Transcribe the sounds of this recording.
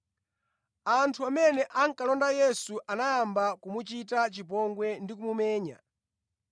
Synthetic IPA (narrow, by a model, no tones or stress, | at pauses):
antʰuamɛnɛʔaŋkalɔndajɛsuʔanajambakumut͡ʃitat͡ʃip̬ɔŋɡwɛndikumumɛːɲa̰